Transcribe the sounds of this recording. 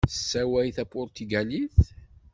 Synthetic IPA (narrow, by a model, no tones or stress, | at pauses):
sːæwæjθæpːʊɾt̪yɡæliθ